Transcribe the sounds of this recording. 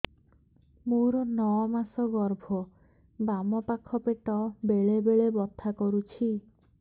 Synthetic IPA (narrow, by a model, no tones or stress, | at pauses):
muɾɔnɔɔmasɔɡɔɾbʱɔ | bamɔpakʰɔpeʈɔbeɭebeɭebɔt̪ʰːakɔɾut͡ʃʰi